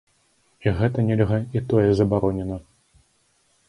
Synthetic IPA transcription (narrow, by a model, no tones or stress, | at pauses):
iɣɛt̪ɐnʲɛlʲɣɐit̪ɔjɛzɐbaɾɔnʲɛnɐ